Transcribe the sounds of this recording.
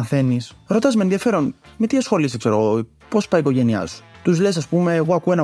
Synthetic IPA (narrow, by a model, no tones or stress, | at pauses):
ɐθe̞nisɾo̞t̪ɐzmenðiɐfe̞ɾo̞nmet̪iɐsxo̞lisikseɾoɣo | pospɐikoʝe̞niɐ̰su̥t̪uzlesɐspume̞ːɣoɐkuenɐ